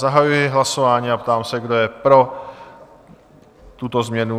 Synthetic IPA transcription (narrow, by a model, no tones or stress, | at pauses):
zaɦajujɪɦlaso̞vaːɲiːapt̪aːmsɛɡdo̞jɛpɾo̞ | t̪ut̪o̞zmɲɛnu